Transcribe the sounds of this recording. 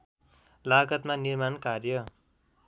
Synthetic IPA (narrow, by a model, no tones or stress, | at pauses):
laɡʌt̪manirmankarjʌ